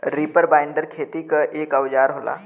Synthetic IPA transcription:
ɾipəɾbaːɪ̃ɳɖəɾkʰeːt̪ikaʔeːkɐwd͡ʒaːɾɦoːla̰ː

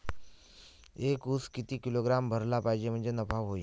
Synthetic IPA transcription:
ekuskit̪iːkiloɡɾambʱəɾlapajd͡ʑem̤əɳd͡zenəpaʋɦoi

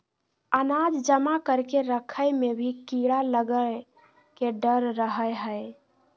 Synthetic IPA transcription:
ənad͡ʒd͡ʒəmakəɾkeɾəkʰəjmebʱikiɽaləɡə | keɖəɾːəɦəjɦəj

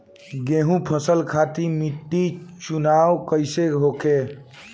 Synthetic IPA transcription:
ɡeɦũpʰəsəlkʰat̪imiʈːit͡ʃunawkəɪseɦokʰe

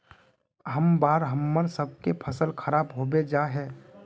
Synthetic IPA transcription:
ɦəmbaːɾɦəmːəɾsəb̚ʱkepʰəsəlkʰəɾaːbɦobed͡ʒaɦɛː

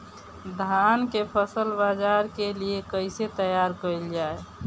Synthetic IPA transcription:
d̪ʱankepʰəsəlbad͡ʒaɾkeliekəɪset̪əjaɾkəild͡ʒae

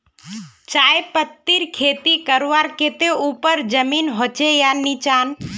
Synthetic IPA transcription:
t͡ʃaːjpət̪ːiɾkʰeːt̪ikəɾʋaɾket̪eupəɾd͡ʒəmiːnɦoːt͡ʃejanit͡ʃaːn

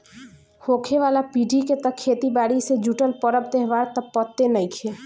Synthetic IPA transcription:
hoːkʰeʋaːlapiɖʱiket̪əkʰːet̪ibaɽised͡ʒuʈəlpəɾəbt̪eɦʋaɾt̪əpːət̪ːenəikʰe

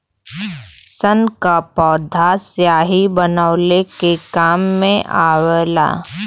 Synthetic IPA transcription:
sənkapɔːd̪ʱasjaːɦibənaʊlekekaːmːẽʔaːwela̰ː

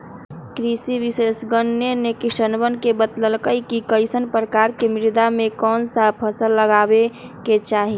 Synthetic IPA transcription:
kɾisiʋisesɡənjənekiʃənbənkebət̪ləlkəikikəɪsənpɾəkaɾkemɪɾd̪amekɔːnsapʰəsəlːəɡabeket͡ʃaːɦi

